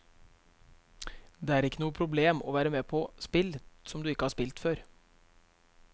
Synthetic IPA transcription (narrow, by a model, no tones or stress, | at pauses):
d̪eːæːɾɪkːənuːəpʰɾʊbleːmɔ̰ːʋæːɾəmeːpʰɔspɪlsɔmd̪ʉːɪkːəhɑːʂpɪlt̪føːɾ